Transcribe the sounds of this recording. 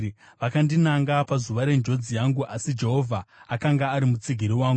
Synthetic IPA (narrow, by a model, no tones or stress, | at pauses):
ʋakandinaŋɡapazuʋaɾe̞nd͡ʒo̞d͡zijaŋɡuʔasid͡ʒe̞ɦo̞vʱaakaŋɡaːɾimut͡siɡʱiɾiwaːŋɡ